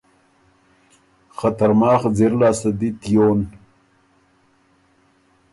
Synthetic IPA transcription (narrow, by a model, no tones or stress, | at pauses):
χat̪aɾmɑːχd͡zeɾlaːsad̪it̪ijoːn